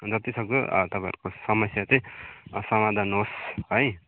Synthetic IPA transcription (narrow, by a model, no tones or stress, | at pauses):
d͡zʌt̪isʌk̚t͡sʰo̰t̪ʌpãj̰ɾukosʌmʌsjat͡sʌj̃sʌmad̪ʱanosɦʌj